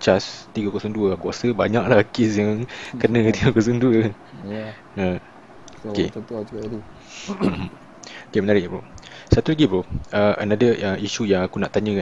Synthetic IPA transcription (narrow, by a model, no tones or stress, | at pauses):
t͡ʃast̪iɡakuasəŋduəkuasəbaɲãʔlahkesjaŋkənə̃t̪iɡakuasəŋduə | ə | oke | okemənaɾɪʔposat̪ulaɡipʊəʔə̰nadəʔəiʃujãŋakunaʔt̪aɲə̃kan